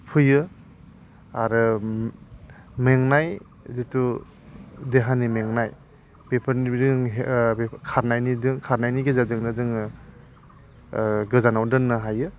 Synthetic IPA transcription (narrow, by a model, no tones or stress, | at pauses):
pʰɯjɯ | aɾɯ | meŋnaj | ditu | deɦanimeŋnaj | b̥epʰɯɾniɾɯŋɦkʰaɾnajnidɯŋkʰaɾnajniɡezazɯŋnazɯŋ | ɡɯzanawdɯnːɯɦajɯ